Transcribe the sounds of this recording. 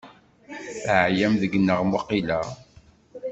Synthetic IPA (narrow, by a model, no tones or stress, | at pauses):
θəʕjæmðəɡnːəʁmoqːilæ